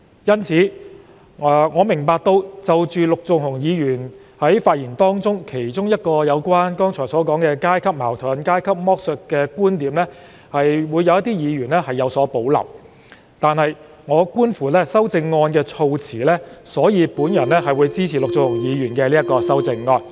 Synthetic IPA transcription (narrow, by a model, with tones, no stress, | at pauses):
jɐ˥nt͡sʰiː˨˥˨ | ŋɔː˨˧mɪ˨˩ŋpaː˧k̚t̪o˧wt͡sɐ˨wt͡ʃyː˨˧lʊ˨k̚t͡sʊ˨˧ŋhʊ˨˩ŋjiː˨˧jyː˨˩nhɐ˨˥jfaː˧t̚jiː˨˩nt̪ɔː˥ŋt͡sʊ˥ŋkʰe˨˩jt͡sʊ˥ŋjɐ˥t̚kɔː˧jɐ˨˧wkwaː˥nkɔː˥ŋt͡ʃʰɔː˨˩jsɔː˨˥kɔː˨˥ŋkɛː˧kaː˥jkʰɐ˥p̚maː˨˩wt̪ʰɔː˨˥nkaː˥jkʰɐ˥p̚mɔː˥k̚sœ˧t̚kːɛː˧kuː˥nt̪iː˨˧mlɛː˥ | hɐ˨jwuː˨˧jɐ˧wjɐ˥t̪̬ːiː˥jiː˨˧jyː˨˩nlɛː˥hɐ˨jːɐ˨˧wsɔː˨˥po˨˥wlɐ̰˨˩w | t̪aː˨˧nhɐ˨j | ŋɔː˨˧kuː˥nfuː˨˩lɛː˥sɐ˥wt͡sɪ˧ŋːɔː˧nkɛː˧t͡ʃʰo˧wt͡sʰiː˨˩lɛː˥sɔː˨˥jiː˨˧puː˨˥njɐ˨˩nlɛː˥ɦɐ˨jwuː˨˧jt͡siː˥t͡sʰiː˨˩lʊ˨k̚t͡sʊ˨ŋhʊ˨˩ŋjiː˨˧jyː˨˩nkɛː˧liː˥jɐ˥tkɔː˧sɐ˥wt͡sɪ˧ŋːɔː˧n